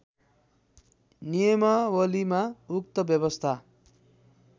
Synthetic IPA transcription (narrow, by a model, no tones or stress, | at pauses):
nijʌmʌwʌlimauk̚t̪ʌbjʌbʌst̪ʰa